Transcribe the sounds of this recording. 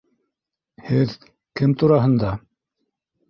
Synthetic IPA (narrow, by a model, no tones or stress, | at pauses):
hɘð | kɘmt̪uɾɑɦɤ̆nd̪ɑ